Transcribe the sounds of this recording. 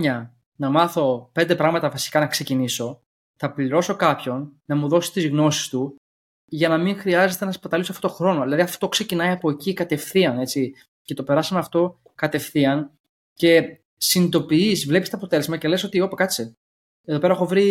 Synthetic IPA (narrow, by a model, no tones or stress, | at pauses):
ɲɐ | nɐmɐθo̞pe̞nd̪epɾɐɣmɐt̪ɐvɐsi̥kɐnɐkse̞ciniso̞ | θɐpliɾo̞so̞kɐpço̞nːɐmuðo̞si̥st̪izɣno̞si̥st̪u | ʝɐnɐmiŋxɾiɐze̞t̪e̞nɐspɐt̪ɐlisɐft̪ot̪xɾo̞no̞ðilɐðiɐft̪o̞kse̞cinɐiɐpo̞ecikɐt̪e̞fθiɐne̞t͡si | ce̞t̪o̞pe̞ɾɐsɐnɐft̪o̞ | kɐt̪e̞fθiɐn | ce̞ | sinid̪o̞piizvle̞pist̪oːpo̞t̪e̞le̞zmɐce̞leso̞t̪io̞pekɐt͡si | e̞ðoeɾɐexovɾi